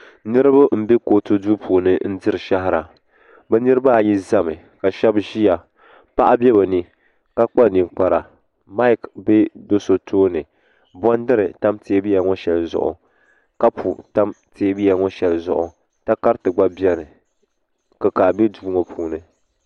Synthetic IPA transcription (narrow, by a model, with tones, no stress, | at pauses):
nɨ˦ɾɨ˦bʊ˦m̩˦be˦ko˨to˦du˦pʰuː˨nɨ˦n̩˦dɨ˦ɾɨ˨ʃa˦ɦɪ˦ɾa˨ | bɛ˦nɨ˦ɾɨ˦ba˦˨ji˦za˦mɨ˨ | ka˨ʃɛ˦bʒi˦ja˨ | pa˦ʔa˦bʲɛ˦ba˨nɨ˦ | ka˦k͡pa˦ni˨mk͡pa˨ɾa˨ | ma˦ɪ˦kbe˦do˦so˦tʰoː˦nɨ˨ | bɔ˦ndɨ˦ɾɨ˨ta˦mte˨˦bi˦ja˨ŋɔ˦ʃɛ˨lzʊ̰˨ʔʊ̰˨ | ka˦pʰu˨ta˦mtʰe˨˦bi˦a˨ŋɔ˦ʃɛ˨lzʊ̰˨ʔʊ˨ | ta˦ka˦ɾtɨ˨ɡ͡ba˦bi˦ɛ˦nɨ˨ | ka˨kaː˨bi˦duː˦ŋo˦pʰuː˨nɨ˦